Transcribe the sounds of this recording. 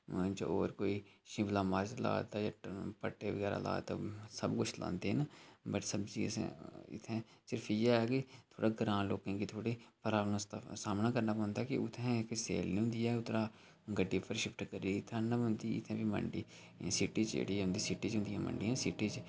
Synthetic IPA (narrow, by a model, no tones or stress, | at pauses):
t͡ʃo̰oːɾkoːiʃɪ̃blaːmaːɾt͡ʃla̰ːt̪ajaːpəʈːeːʋəɡɛːɾa̰ːla̰ːt̪asəbkʊt͡ʃʰlã̰ːnd̪enaːbəʈsəbzḭsḛ̃ɪ̰t̪ʰẽːsɪɾfɪjaːɛːɡit̪ʰoːɽaːɡəɾãːnloːkẽːkit̪ʰoːɽiːpəɾaːnast̪saːmnaːkəɾnaːpːnd̪akḭʊt̪ʰẽksḛːlnĩɦʊ̃nd̪ijaʊt̪ɾaː | ɡəɖːiːpʰəɾʃɪpʰʈkəɾiːt̪ʰaːnaʊ̃nd̪iɪ̰t̪ʰɛ̃ːbimə̰ɳɖiː | sɪʈiːt͡ʃd͡ʒḛːɽiːʊ̃nd̪iːsɪʈiːt͡ʃɦʊ̃nd̪iːɦɛ̃ːmə̰ɳɖiːɛ̃ːsɪʈiːt͡ʃ